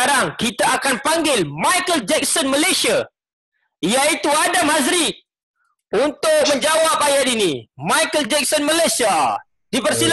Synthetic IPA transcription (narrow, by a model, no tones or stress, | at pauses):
aɾaŋkit̪aːkanpaŋɡɪlmãjkəld͡ʒɛk̚sɔnməlesia | ijait̪uadamɦazɾit̪̚ | unt̪ʊk̚mə̃ɲd͡ʒawap̚ajat̪inimãjkəld͡ʒɛk̚sɔnməlajsia | dipərsil